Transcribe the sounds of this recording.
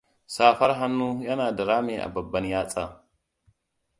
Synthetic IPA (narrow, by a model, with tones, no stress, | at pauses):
saː˦fɐ˦ɾɦa˦nːu˦jɐ˦naː˨da˨ɾaː˦me˨ʔa̰˨bɐ˨bːɐ˦njaː˦t͡sʼa˨